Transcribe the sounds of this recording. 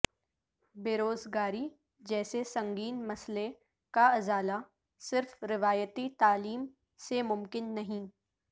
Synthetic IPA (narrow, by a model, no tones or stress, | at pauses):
beːɾoːzɡaːɾi | d͡ʒɛːsesɐ̃ŋɡiːnmɐsle | kaɐzaːla | sɪɾfɾɪʋaːjət̪it̪aːliːm | semʊmkɪnːɐɦĩː